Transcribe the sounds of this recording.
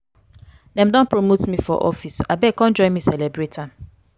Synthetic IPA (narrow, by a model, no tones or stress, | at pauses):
dɛ̃mdɔ̃npɹomotmifɔ̰ʔɔ̰fisabɛkɔ̃nd͡ʒɔ̃nmisɛlɛbɹetʰan